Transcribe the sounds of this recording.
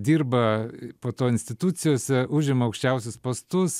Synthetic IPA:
d̪ʲiːrbɐpoːt̪oːɪnʲsʲt̪ʲɪt̪ʊt̪sʲɪjoːsʲɛʊʒʲɪmɐɐʊkʃʲt͡ʃʲɛʊsʲʊspoːst̪ʊs

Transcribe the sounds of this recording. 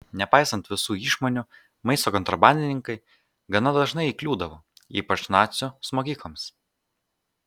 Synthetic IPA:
nʲɛpɑɪsɐnt̪ʋʲɪsuːiːʃmɔnʲʊ | mɐɪst̪oːkɔnt̪ɾɐbɑˑnʲd̪ʲɪnʲɪŋkɐɪ | ɡɐnɐd̪ɐʒnɐɪiklʲuːd̪ɐʋoːḭːpɐt͡ʃnɑːt̪sʲʊsmoːkʲiːklˠɐms

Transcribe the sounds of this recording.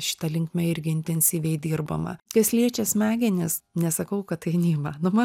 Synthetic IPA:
ʃʲɪ̥t̪ɐlʲɪŋkmʲɛɪɾʲɡʲɪɪnʲt̪ʲɛnʲsʲiːʋʲɛɪd̪ʲiːrbɐmɐ̰kʲɐsʲlʲiɛt͡ʃʲɛsmʲæːɡʲɪnʲɪsnʲɛsɐkɐʊkɐttɐɪnʲiːmɐnʊmɐ

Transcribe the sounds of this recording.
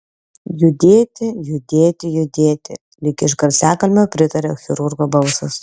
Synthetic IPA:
jʊd̪ʲeːt̪ʲɪjʊd̪ʲeːt̪ʲɪjʊd̪ʲeːt̪ʲɪ̰ | lʲɪkʲɪʃ̬ɡɐɾʲsʲæːkɐlʲmʲoːpʲɾʲɪt̪ɐɾʲoxʲɪɾʊɾɡoːbɐʊsʊs

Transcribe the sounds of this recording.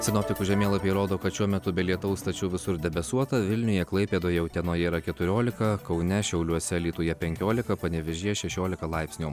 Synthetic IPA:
sʲɪnɔpʲt̪ʲɪkʊʒʲɛmʲeːlˠɐpʲeːɾoːd̪oːkɐt̪ʃʲuɔmʲɛt̪ʊbʲɛlʲiɛt̪ɐʊst̪ɐt͡ʃʲʊːʋʲɪsʊɾd̪ʲɛbʲɛsuɔt̪ɐʋʲɪlʲnʲʊjɛklˠɐɪpʲeːd̪oːjɛʊt̪ʲɛnoːjɛiɾɐkʲɛt̪ʊɾʲoːlʲɪkɐkɐʊnʲɛʃʲɛʊlʲuɔsʲɛlʲiːt̪uːjɛpʲɛŋʲkʲoːlʲɪkɐpɐnʲɛʋʲɛʒʲiɛʃʲɛʃʲoːlʲɪkɐlˠɐɪpsʲnʲuː

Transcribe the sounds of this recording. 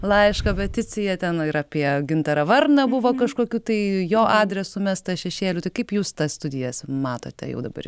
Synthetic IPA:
lˠɐɪʃkɐpʲɛt̪ʲɪt͡sʲɪjɛt̪ʲɛnɪɾɑːpʲiɛɡʲɪnt̪ɐɾɐʋɐrnɐbʊʋoːkɐʃkoːkʲuːt̪ɐɪjoːʔɑːd̪ʲɾʲɛsʊmʲæst̪ɐʃʲɛʃʲeːlʲut̪ɐɪkɐɪpjuːst̪ɐsst̪ʊd̪ʲɪjɛsmɑːt̪o̰ːt̪ʲɛ̰jɛ̰ʊd̪ɐbɐ̰r

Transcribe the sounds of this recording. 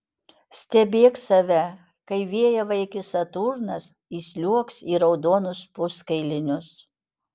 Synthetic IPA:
sʲt̪ʲɛbʲeːksɐʋʲɛ | kɐɪʋʲeɛjɛʋɐɪkʲɪsɐt̪uːɾnɐs | iːsʲlʲuɔksiːɾɒʊd̪oːnʊspʊskɐɪlʲɪnʲʊs

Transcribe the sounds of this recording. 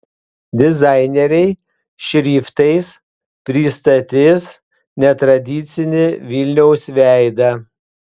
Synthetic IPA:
d̪ʲɪzɑɪnʲɛɾʲɛɪ | ʃʲɾʲiːft̪ɐɪs | pʲɾʲiːst̪ɐt̪ʲɪs | nʲɛt̪ɾɐd̪ʲiːˑt̪sʲɪnʲɪʋʲilʲnʲɛʊsʲʋʲæˑɪd̪ɐ

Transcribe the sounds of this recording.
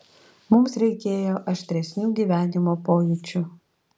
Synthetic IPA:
mʊmsɾʲɛɪkʲeːjoːʔɐʃʲt̪ʲɾʲɛsʲnʲuːɡʲiːʋʲæːnʲɪmoːpoːjʊt͡ʃʲʊ

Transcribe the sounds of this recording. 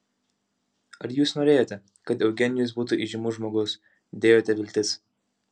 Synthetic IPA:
ɐɾjuːsnoːɾʲeːjoːt̪ʲɛ | kɐt̪ɛʊɡʲɛnʲɪjʊs̬buːt̪uʔiʒʲɪmuːʒmoːɡʊs | d̪ʲeːjoːt̪ʲɛʋʲɪlʲt̪ʲɪs

